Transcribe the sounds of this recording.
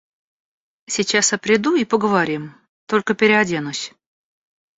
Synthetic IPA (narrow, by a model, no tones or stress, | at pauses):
sʲɪt͡ɕasɐpɾʲɪd̪uipəɡəvaɾʲim | t̪olʲkəpʲɪɾʲɪɐdʲenʊsʲ